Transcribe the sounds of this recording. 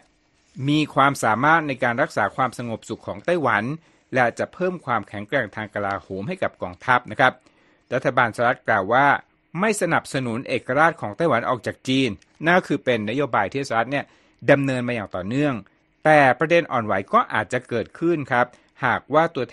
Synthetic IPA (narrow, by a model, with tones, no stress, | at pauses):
miː˧kʰwaː˧msaː˩˦maː˥˩t̪̚na˧jkaː˧nɾa˦˥k̚saː˩˦kʰwaː˧msa˧ŋo˨˩p̚su˨˩kʰːɔː˩˦ŋt̪a˥˩jwa˩˦n | lɛ˧˥t͡ɕa˨˩ʔpʰɤː˥˩mkʰwaː˧mkʰɛ˨˩˦ŋkɾɛ˧ŋt̪ʰaː˧ŋka˧laː˧hoː˩˦mha˥˩jka˨˩p̚kɔː˧ŋt̪ʰa˦˥p̚na˦˥kʰa˦˥p̚ | ɾa˦˥t̪ʰːa˧baː˧nsaː˧ɾa˦˥t̪̚klaː˨˩wːaː˥˩ | ma˥˩jsa˧na˨˩p̚sa˧nu˩˦nʔeː˨˩kːa˧ɾaː˥˩t̪̚kʰɔː˩˦ŋt̪a˥˩jwa˩˦nʔɔ̰ː˨˩k̚t͡ɕaː˨˩k̚t͡ɕiː˧nː | a˥˩kʰɯː˧pe˧nːa˦˥joː˧baː˧jt̪ʰiː˥˩saː˧ɾa˦˥ni˥˩ə | da˧mnɤː˧nmaː˧jaː˨˩ŋt̪ɔː˨˩nɯ˥˩əŋ | t̪ɛː˨˩pɾa˧de˧nʔɔː˨˩nwa˩˦jkɔː˥˩ʔa̰ː˨˩t̪̚t͡ɕa˨˩kɤː˨˩t̪̚kʰɯ˥˩nkʰa˦˥p̚ | haː˨˩k̚waː˥˩t̪u˧ɐt̪